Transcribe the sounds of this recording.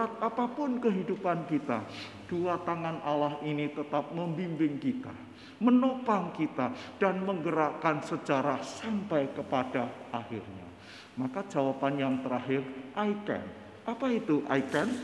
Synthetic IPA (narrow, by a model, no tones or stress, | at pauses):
at̪̚apapʊnkəɦidupankit̪a̰ | d̥uat̪aŋanalahinit̪ət̪ap̚məmbimbɪŋkit̪a̰ | mənopaŋkit̪ad̥anməŋɡəɾakansət͡ʃaɾasampajkəpadaʔahɪrɲa̰ | makad͡ʒawapanjaŋt̪əɾaɦɪrʔaikɛ̰n | ʔapait̪uʔa̰ikɛn